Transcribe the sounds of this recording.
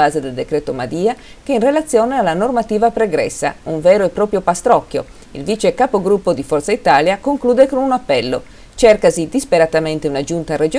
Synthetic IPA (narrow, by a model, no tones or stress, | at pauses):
aːzed̪eld̪ekɾeːt̪omad̪iːa | keinrelat̪sːjɔːnealːanormat̪iːvapɾeɡɾɛsːa̰uɱvɛːɾoepːɾɔːpɾjopast̪ɾɔkːjo̰ | ilvit͡ʃekapoɡɾupːod̪ifɔrt̪sait̪aːljakoŋkluːd̪ekonunapːɛlːo̰ | t͡ʃɛrkazid̪ispeɾat̪ament̪eunad͡ʒunt̪ared͡ʒ